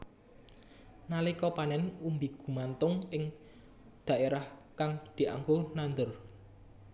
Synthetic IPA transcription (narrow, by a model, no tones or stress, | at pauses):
nalikɔpanɛnumbiɡ̥ṳmant̪ʊŋɪŋ | d̪̥ä̤ʔeɾahkaŋd̪̥i̤ʔa̰ŋɡonand̪ər